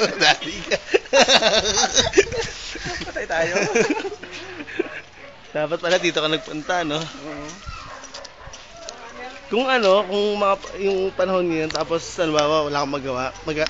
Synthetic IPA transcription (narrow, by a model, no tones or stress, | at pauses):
d̪aːt̪ɪkɐ | ɐt̪jt̪aːjo | d̪̥aːpɐt̪̚pɐlɐd̪iːt̪okɐnɐɡ̚pʊnt̪ɐno̞ | kʊŋɐno̞kʊŋmɐŋajʊŋpɐnɐho̞nŋɐjo̞nt̪aːposɐlɪmbaːwɐwɐlaːkomɐɡɐwaʔmɐɡa